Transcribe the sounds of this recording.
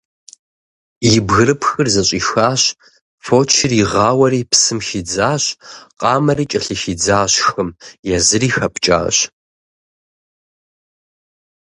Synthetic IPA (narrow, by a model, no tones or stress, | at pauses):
jɪbɣɨɾɨpʰxɨrzɐɕʷʼiːxaːɕ | foːt͡ʃʰɪriʁɑːwɐɾiːpsɨmxid͡zaːɕqʼɑːmɐriːt͡ʃʼɐɬɨxid͡zaːɕxɨmjɛzɨriːxɐpt͡ʃʼa̰ːɕ